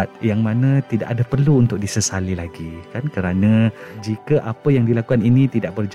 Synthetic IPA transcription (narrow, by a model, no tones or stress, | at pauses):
t̪̚jaŋmãnãt̪ida̰ʔadapərluːnt̪ʊk̚disəsalilaɡikankəɾanãd͡ʒikəʔapəjaŋdilakukaninĩt̪idaʔ̚bərd͡ʒa